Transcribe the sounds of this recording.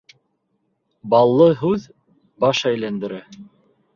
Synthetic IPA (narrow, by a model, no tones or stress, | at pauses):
bɑlˠːɤɦʉð | bɑʃæjlænd̪ɘ̆ɾæ